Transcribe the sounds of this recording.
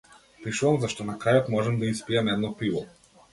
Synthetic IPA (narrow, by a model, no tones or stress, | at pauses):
pɾiʃuvamzaʃt̪ɔnakɾajɔt̪mɔʒɛmd̪aispiɛmɛd̪nɔpivɔ